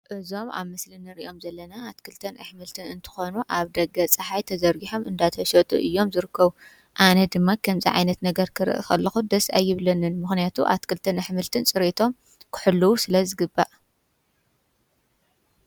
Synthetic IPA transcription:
ʔɨzo̞ma̰βmɨslinɨɾiʔo̞mzɐlːɐnaːt̪kʰɨlt̪ʰɐnʔɨħmɨlt̪ʰɨnɨnt̪ʰɨ̥xo̞nuʔaβd̪ɐɡɐt͡sʼɨħajt̪ʰɐzɐɾɡiħo̞mʔɨnd̪at̪ʰɐʃɐt̪ʼṵʔɨjːo̞mzɨɾɨkʰːɐβu | ʔanɐd̪ɨmːakʰɐmzḭʕa̰jnɐt̪nɐɡɐɾkʰɨɾɨ̰ʔɨ̰xɐlːɐxud̪ɐsa̰jːɪβlɐnɨnmɨxnijat̪ʰṵʔa̰t̪kʰɨlt̪ʰɐnɨħmɨlt̪ʰɨnsʼɨɾit̪ʰo̞m | kʰɨ̥ħɨlːuwusɨlɐzɨɡɨbːaʔ

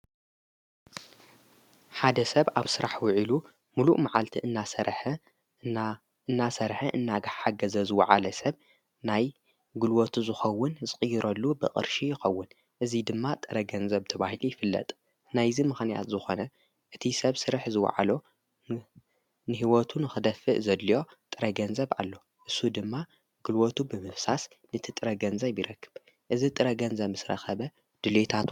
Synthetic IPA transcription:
ħad̪ɐsɐβa̰βsɨɾʔaħwʊʕilu | muluʔmaʕalt̪ʰiʔɨnːasɐɾħ | ɨnːasɐɾħɨʔɨnːaɡaħħaɡɐzɐzɨwɐʕa̰lɐsɐβ | naj | ɡɨlwot̪ʰuzɨxɐwːʊnzɨkʼɨjːɪɾʔɐlːubɨ̰qʼɨ̰ɾʃijɪxɐwːʊn | ʔɨzid̪ɨmːat̪ʼɐɾɐɡɐnzɐβt̪ʰɐβahilujɪfɨlːɐ̰t̪ʼ | najzimɨxnija̰t̪zɨxo̞nɐ | ʔɨt̪ʰisɐβsɨɾħzɨwa̰ʕa̰lo | nɨɦiwot̪ʰunɨxɨd̪ɐfɨʔzɐd̪lijo̞t̪ʼɨɾɐɡɐnzɐβʔa̰lːo̞ | ʔɨsːud̪ɨmːa | ɡ̥ɨlwot̪ʰubɨmɨfsas | nɨɨt̪ʰɨt̪ʼɨɾɐɡɐnzɐβjɪɾɐkːɨ̥β̥ | ʔɨzit̪ʼɨɾɐɡɐnzɐβmɨsɾɐ̰xɐβɐ | d̪̥ɨlet̪ʰat̪

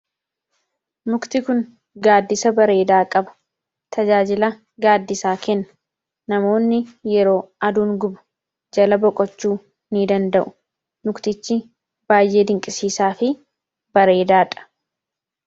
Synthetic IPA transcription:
mʊkt̪ɪkʊn | ɡaːd̪ːɪsɐbɐɾe̞ːd̪aːkʼɐbɐ̥ | t̪ʰɐd͡ʒaːd͡ʒɪlɐ | ɡaːd̪ːɪsaːkɛnːɐ̥ | nɐmo̞ːnːɪjɛɾo̞ːɐd̪uːŋɡʊbɐ̥ | d͡ʒɐlɐbɔkʼɔt͡ʃːuː | nɪd̪ɐnd̪ɐʔʊ̥ | nʊkt̪ɪt͡ʃːɪ | b̥aːjːʔe̞ːd̪ɪŋkʼɪsiːsaːfɪ | b̥ɐɾe̞ːd̪aːᶑʼɐ̥

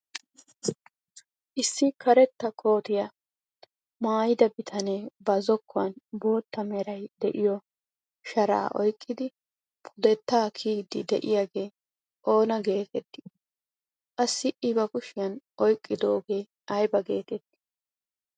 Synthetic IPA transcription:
ʔɪsːɪkʰɐɾɛt̪ːɐkʰo̞ːt̪ɪjɐ | maːjɪd̪ɐbɪt̪ʰɐneːbɐzɔkʰːɔɐnbo̞ːt̪ːɐmɛɾɐjd̪ɛʔɪjɔ | ʃɐɾa̰ːʔɔjkʼːɪd̪ɪ | pʰʊd̪ɛt̪ːaːkʰiːɡd̪ɪd̪ɛʔɪjaɡe̞ː | ʔo̞ːnɐɡe̞ːt̪ɛt̪ːɪ̥ | kʼɐsːɪʔɪbɐɡʊʃɪjɐnʔɔjkʼːɪd̪o̞ːɡe̞ː | ɐjbɐɡe̞ːt̪ɛt̪ːɪ̥

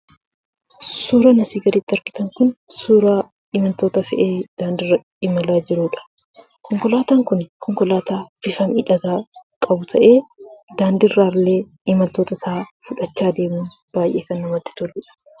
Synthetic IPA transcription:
suːɾɐnɐsiːɡɐd̪ɪt̪ːɪɐɾkɪ̥t̪ɐŋkʊnsuːɾa | ɪmɐlt̪o̞ːt̪ɐfɛ̰ʔeːd̪̥aːnd̪ɪrːɐ | ɪmɐlaːd͡ʒɪɾuːᶑɐ̥ | kʰɔŋkɔlaːt̪aːŋkʊnkʰɔŋkɔlaːt̪aːfɪfɐmɪᶑɐɡaːkʼɐbʊt̪ʰɐʔe̞ːd̪aːnd̪ɪrːaːleː | ɪmɐlt̪o̞ːt̪ɐsaːfʊᶑɐt͡ʃːaːd̪e̞ːmuːn | b̥aːjʔe̞ːkɐnːɐmɐt̪ːɪ̥t̪ʊlːɪᶑɐ̥

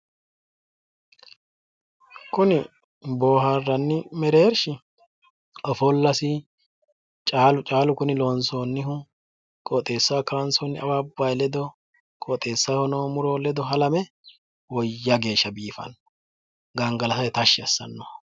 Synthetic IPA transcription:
kʊnɪ | boːɦarːɐnːɪmɛɾe̞ːɾʃɪ | ɔfɔlːɐsɪ | t͡ʃʼaːlʊt͡ʃʼaːlʊkʊnɪlo̞ːnsoːnːɪhʊ | kʼɔt̪ʼe̞ːsːakɐɾɐnsonːɪɐwaːbɐjlɛd̪ɔ | kʼɔt̪ʼe̞ːsːahɔnoːmʊɾoːlɛd̪ɔɦɐlɐmɛ | wɔjjːɐɡe̞ːʃːɐbiːfɐ̰nː | ɡɐŋɡɐlɐsɐjt̪ɐʃːɪɐsːɐ̰nːo

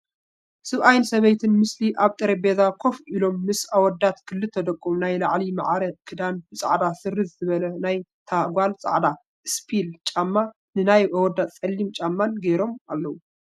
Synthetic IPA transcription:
sɨβʔajnsɐβɐjt̪ʰɨnmɨsliʔaβt̪ʼɨɾebezakʰo̞fʔilo̞mːɨsawɔd̪ːat̪kʰɨlːɨt̪ʰːɐd̪ɐkʼːumnajlaʕlima̰ʕɾɐkʰɨd̪anbɨt͡sʼa̰ʕd̪asɨɾɨzɨzɨβɐlɐnajt̪ʰaɡʷalt͡sʼa̰ʕd̪a | spʰilt͡ʃʼamːa | nɨnajawɔd̪ːat̪ʼt͡sʼɐlːimt͡ʃʼamːanɡeɾo̞ma̰lːɐwu

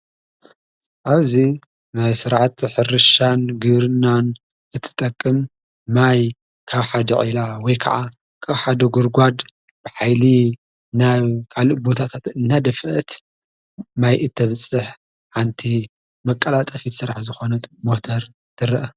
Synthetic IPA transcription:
ʔaβzi | najsɨɾʕat̪ħɨɾɨʃanɡɨβɾɨnːan | ɨt̪ʰːɨ̥t̪ʼɐkʼːɨmː | aj | kʰaβħad̪ɐ̰ʕilawɔjkʰɐ̰ʕa | kʰaβħad̪ɐɡuɾɡʷad̪bɨħajli | naβkʰalɨbo̞t̪ʰat̪ʰat̪ɨnːad̪ɐfʔɐt̪ | majʔɨt̪ʰːɐβɨt͡sʼːɨħ | ħant̪ʰi | mɐkʼːɐlat̪ʼɐfit̪sɨɾaħzɨxo̞nɐt̪mot̪ʰɐɾ | t̪ʰɨɾɐʔɐ

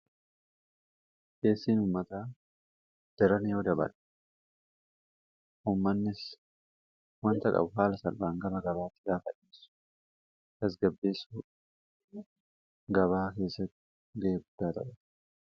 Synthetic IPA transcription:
ke̞ːsːiːnuːmːɐt̪aː | d̪̥ɛɾɐnɪjoːd̪ɐbɐ̰ᶑ | ʔuːmːɐnːɪs | wɐnt̪ɐkʼɐ̰bʊɦaːlɐsɐlbaːŋɡɐbɐɡɐβaːt̪ːɪɡaːfɐᶑiːsʊ̥ | ɡ̥ɐs̬ɡɐbːe̞ːsuː | ɡɐβaːke̞ːsːɐt̪ː | ɡɐʔeːɡʊd̪ːaːt̪ɐ̰ʔɛt̪

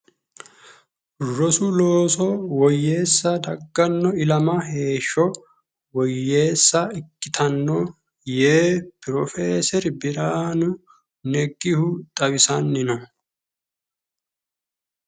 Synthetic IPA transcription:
rɔsʊloːsɔwɔjːe̞ːsːɐd̪ɐɡːɐnːɔɪlɐmɐɦe̞ːʃːɔ | wɔjːe̞ːsːɐɪkːɪt̪ʰɐnːɔ | jeːpɪɾɔfeːsɛɾbɪɾaːnʊ | nɛɡːɪhʊt̪ʼɐwɪsɐnːɪnɔ

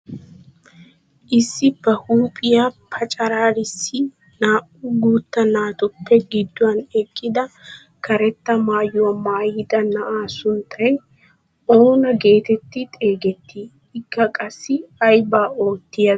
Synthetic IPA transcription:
ʔɪsːɪb̥ɐhuːpʼɪjapʰɐt͡ʃʼɐɾaːɾɪsːɪ | naːʔʊɡuːt̪ːɐnaːt̪ʊpːɛɡɪd̪ːʊwɐnɛkʼːɪd̪ɐ | kɐɾɛt̪ːɐmaːjʊmaːjɪd̪ɐnɐʔaːsʊnt̪ʰːɐj | o̞ːnɐɡe̞ːt̪ɛt̪ːɪt̪ʼe̞ːɡɛt̪ːi | ɪkːɐkʼɐsːɪɐjbaːo̞ːt̪ːɪjɐ

